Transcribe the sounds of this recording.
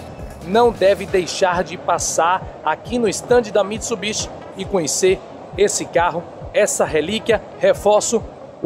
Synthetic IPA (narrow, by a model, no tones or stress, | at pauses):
nɐ̃w̃d̪ɛvɪd̪ejʃaɾd͡ʒɪpasaɾakinʊist̪ɐ̃d͡ʒɪd̪ɐmit̪subiʃ | ɪkõɲeseɾ | esɪkaɦʊ | ɛsɐɦelikjɐ | hefɔɾsʊ